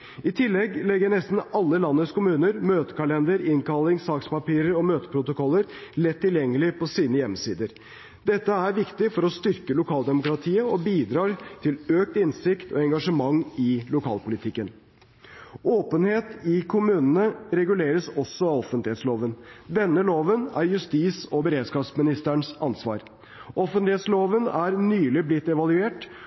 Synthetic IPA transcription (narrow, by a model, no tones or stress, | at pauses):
ɪt̪ʰɪlːɛɡlɛɡːənɛst̪n̩ɑlːəlɑnːəskʊmʉːnəɾmøːt̪ə̥kɑlɛnd̪əɾɪŋkɑlɪŋsɑːkspɑpiːɾəɾɔmøːt̪ə̥pʰɾʊt̪ʊkʰɔlːəɾlɛt̪ʰːɪljɛŋːəlɪpʰɔsiːnəjɛmːsiːd̪əɾ | d̪ɛt̪ːəæɾʋɪkt̪ɪfɔɾɔst̪ʏɾkəlʊkʰɑːld̪ɛmʊkɾɑt̪ʰiːəɔbiːd̪ɾɑːɾt̪ʰɪløːk̚t̪ɪnsɪkt̪ʰɔɛŋɡɑʂəmɑŋːɪlʊkʰɑ̰ːlpʊlɪt̪ʰɪkːən | oːpənheːt̪ɪkʰʊmʉːnənəɾɛɡʉleːɾəsɔsːɔɑɔfənt̪ɪheːt̪sloːʋənd̪ɛnːəloːʋənæ̰ɾjʉst̪iːsɔbəɾeːd̪skɑːpsmɪnɪst̪əɳsɑnsʋɑ̰ːɾ | ʔɔfənt̪lɪheːt̪sloːʋənæɾnyːlɪblɪt̪ːɛʋɑlʉeːʈ